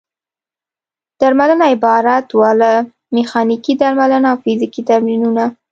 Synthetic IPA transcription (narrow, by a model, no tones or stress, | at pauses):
d̪̥aɾmalənaɪbɑɾat̪wɑla | mɪxɑnikid̪aɾmalənaːwfɪzikid̪aɾminuna